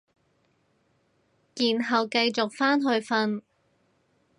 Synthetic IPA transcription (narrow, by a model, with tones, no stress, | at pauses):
kiː˨nɦɐ˨wkɐ˧jt͡sʊ˨k̚faː˥nɦɵ˧ɥfɐ˧n